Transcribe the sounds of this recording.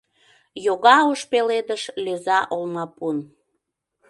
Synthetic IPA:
joɣɑoʃpeled̪əʃlʲezɑʔolmɑpun

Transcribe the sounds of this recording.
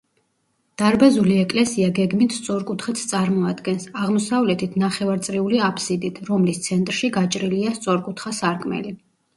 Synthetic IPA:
d̪̥aɾbazuliɛkʼlɛsiaɡɛɡmit̪ʰst̪sʼɔɾkʼut̪ʰχɛt̪sʰt̪sʼaɾmɔad̪ɡɛnsaʁmɔsavlɛt̪ʰit̪ʰnaχɛvaɾt̪sʼɾiuliapʰsid̪it̪ʰɾɔmlist̪sʰɛnt̪ʼɾʃiɡat͡ʃʼɾiliast̪sʼɔɾkʼut̪ʰχasaɾkʼmɛ̰li

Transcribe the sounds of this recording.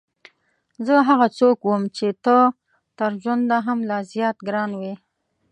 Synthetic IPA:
zəɦaɣat͡sokwəmt͡ʃet̪ə | t̪əɾʒwand̪aɦamlɑzjɑt̪ɡɾɑnwi

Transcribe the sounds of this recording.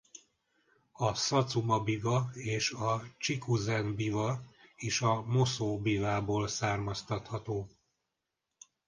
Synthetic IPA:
ɒsɒt̪sumɒbivɒeːʃɒt͡ʃikuzɛnbivɒeːʃɒmo̞soːbivaːboːlsaːrmɒst̪ɒt̪hɒt̪oː

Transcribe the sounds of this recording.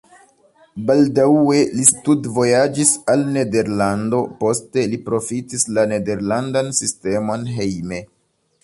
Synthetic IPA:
baldawe̞listudvo̞jad͡ʒisalne̞de̞ɾlando̞po̞ste̞lipɾo̞fitislane̞de̞ɾlandansiste̞mo̞nɦe̞jme̞

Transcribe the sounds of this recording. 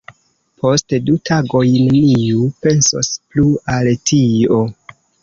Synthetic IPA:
pʰo̞stdutʰaɡo̞jneniupe̞nso̰splualtʰio̞

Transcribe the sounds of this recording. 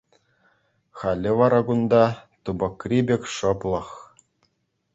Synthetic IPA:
χɑlʲːɘ̆ʋɑɾɑɡund̪ɑt̪ubɤ̆krʲibʲekʲʂɤ̆plˠɤ̆χ

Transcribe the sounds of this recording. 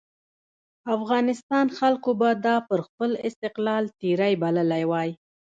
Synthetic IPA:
afɣɑnɪst̪ɑnxalkobad̪ɑpəɾxpəlɪst̪ɪqlɑlt̪eɾajbaləlajwɑj

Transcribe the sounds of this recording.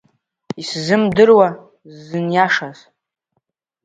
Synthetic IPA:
iszɨmdɨrwa | zɨnjaʂaz

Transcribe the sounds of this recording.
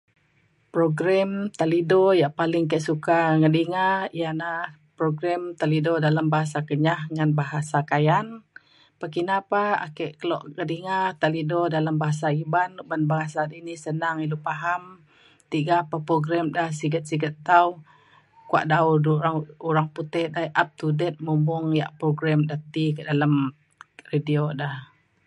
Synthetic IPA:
pɾoɡɾɛmt̪alidɔjaʔpalɪŋkɛʔsukaŋədiŋajana | pɾoɡɾɛmt̪alidɔdalambaɦas̬akəɲahŋanbaɦasakajan | pakinapaa̰kɛʔkəlɔ̰ʔŋədiŋat̪alidɔdalambaɦas̬aibanbanbaɦasadinisənaŋiluʔpaɦam | t̪iɡapahpɾoɡɾɛmdahsiɡət̪̚siɡət̪ːau | kua̰ʔdaudɾaŋuɾaŋput̪ɛhdaʔap̚t̪udɛt̪̚mumbʊŋjaʔpɾoɡɾamdat̪ikəʔdalam | ridiodah

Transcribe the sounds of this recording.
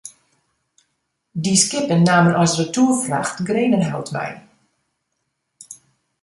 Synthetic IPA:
diskɪpənːaːmənʔɔsrətuːfra̰xtɡreːnənɦɛ̰lˠtmɛ̰j

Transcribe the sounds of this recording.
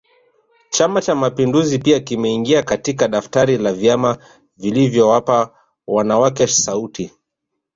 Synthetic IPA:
t͡ʃamat͡ʃamapinduzipiakimɛiŋɡiakatikaɗaftaɾilavjama | vilivjɔwapa | wanawakɛsauti

